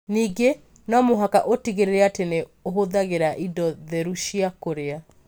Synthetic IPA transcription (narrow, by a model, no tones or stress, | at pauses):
niːɡe | nɔmoɦakaʔotiɣeɾeɾeateneoɦoðaɣeɾaʔidɔðɛɾuʃiakoɾea